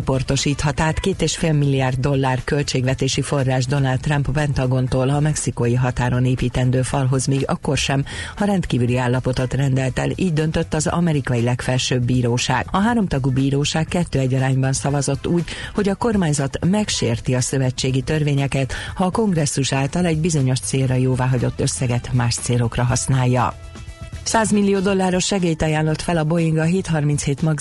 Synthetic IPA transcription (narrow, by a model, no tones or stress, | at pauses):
opo̞rt̪o̞ʃiːt̪hɒt̪aːt̪keːt̪eːʃfeːlmilːiaːrd̪̚ːo̞lːaːrkø̞lt͡ʃeːɡʋɛt̪eːʃifo̞rːaːʒd̪o̞nald̪ːrɒmpvɛnt̪ɒɡo̞nt̪oːlɒmɛksikojiɦɒt̪aːɾo̞neːpiːt̪ɛnd̪øːfɒlɦo̞zmiːɡɒ̰kːo̞rʃɛmɒɾɛnt̪kiːvyliaːlːɒpo̞t̪o̞t̪rɛnd̪ɛlt̪ɛ̰liːɟd̪ø̞nt̪øt̪ːɒzɒ̰mɛɾikɒjilɛkfɛlʃøːbːiːɾoːʃa̰ːɡ̥ɒɦaːɾo̞mt̪ɒɡubiːɾoːʃaːkkːɛt̪ːøːɛɟːɒɾaːɲbɒnsɒvɒzo̞t̪ːuːɟho̞ɟɒko̞rmaːɲzɒt̪mɛkʃeːrt̪iɒsø̞vɛt͡ʃːeːɡit̪ørveːɲɛkɛt̪hɒːko̞ŋɡrɛsːuʃaːlt̪ɒlɛɟbizo̞ɲo̞ʃt̪seːlrɒjoːvaːɦɒɟo̞t̪ːø̞sːɛɡɛt̪maːʃt̪seːlo̞krɒɦɒsnaːjːɒ̰ | saːzmilːijoːd̪o̞lːaːɾo̞ʃːɛɡeːjt̪ɒjaːnlo̞t̪fɛlɒbo̞jiŋɡɒɦeːt̪hɒrminsheːt̪mɒɡ